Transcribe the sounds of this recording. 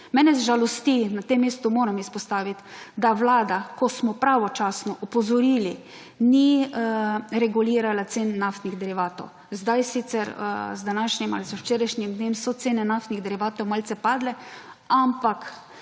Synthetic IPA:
mɛːnɛzʒalɔst̪inat̪emːeːst̪umoːɾamispɔst̪aːʋit̪d̪aʋlaːd̪akɔsmɔpɾaʋɔt͡ʃaːsnɔʔɔpɔzɔɾiːli | ni | ɾɛɡuliːɾalat̪seːnːaft̪niɣd̪ɛɾiʋaːt̪ɔ̰w | zd̪ajsit̪sɛɾzd̪anaːʃɲima̰lizəwt͡ʃeːɾajʃɲimd̪nemsɔt̪seːnɛnaft̪niɣd̪ɛɾiʋaːt̪ɔwmalt̪sɛpaːd̪lɛampak

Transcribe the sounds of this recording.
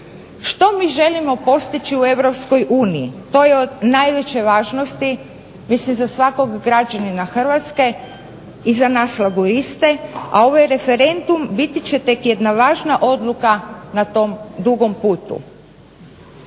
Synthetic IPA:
ʃt̪o̞miːʒe̞limo̞po̞st̪it͡ɕiue̞ʋɾo̞psko̞jʔuːniit̪o̞jeod̪najʋe̞t͡ɕeʋaːʒnost̪i | mislimzasʋako̞ɡɡɾad͡ʑaninaxr̩ʋat̪ske̞ | izanaslaɡuɾist̪ea̰o̞ʋajɾe̞fe̞ɾe̞nd̪umbit̪it͡ɕet̪e̞kjed̪naʋaːʒnaʔo̞d̪lˠukanat̪omd̪uɡo̞mpuːt̪ṵ

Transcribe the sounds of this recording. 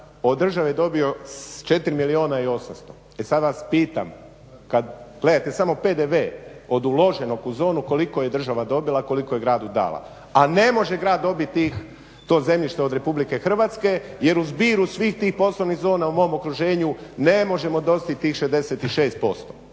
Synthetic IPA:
o̞d̪ːr̩ʒaʋejed̪o̞bio̞t͡ʃe̞t̪iɾimilio̞ːnaio̞samst̪o̞ | esad̪ʋaspiːt̪a̰m | kad̪ɡle̞d̪at̪e̞samo̞pe̞d̪eʋe̞ːo̞d̪ulˠo̞ʒenokuzo̞ːnuko̞liko̞jed̪r̩ʒaʋad̪o̞bilˠako̞likoje̞ɡɾaːd̪ud̪a̰ːlˠa̰ | ane̞mo̞ʒe̞ɡɾaːd̪ːo̞bit̪t̪ːiːx | t̪o̞ːze̞mʎiʃt̪eo̞d̪ɾe̞publike̞xr̩ʋaːt̪ske̞je̞ɾuzbiːɾusʋiːxt̪iːxpo̞sloʋniɣzo̞ːnaumo̞omo̞kɾuʒe̞ːɲune̞mo̞ʒe̞mo̞d̪o̞st̪it̪iːxʃezd̪e̞set̪iʃeːst̪̚po̞st̪o

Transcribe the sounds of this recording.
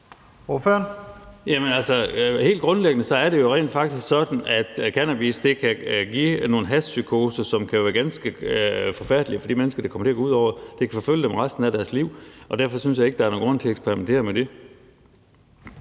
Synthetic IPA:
oføɐnjæmənælsɒhe̝̰ːld̥̚ɡ̥ʁɔ̽nleɡ̥ənəsɒ̽æɐɾ̥e̝jo̝ʁɛ̰ːnd̥fɑ̈ɡ̥̚d̥isɡ̥sɒ̽d̥n̩æd̥kʰænæb̥isd̥e̝kʰæɡ̥ḭno̝ːn̩ɦæssykʰo̝ːsɐsɒ̽mkʰæjoʋæːɐɡ̥ænsɡ̥əfɒ̽fæɐd̥liəfɒ̽d̥imenəsɡ̥ɐd̥ɑkʰɒ̽mɐt͡sʰe̝ɐɡ̥ouð̰ˠɒʊ̰ɐd̥e̝kʰæfɒ̽føljəd̥emʁasd̥n̩æd̥æɐsliʊ̰ʔɒ̽d̥æɐ̰fɒ̽synsjɑ̈eɡ̥əd̥ɑ̈ɐnoːnɡʁɔ̽n̰t͡sʰe̝eɡspʰeʁiment͡sʰe̝̰ɐmed̥e̝

